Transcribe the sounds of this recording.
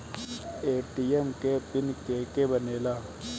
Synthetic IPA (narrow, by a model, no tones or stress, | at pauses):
eːʈiːemkepɪnkeːkebəneːlaː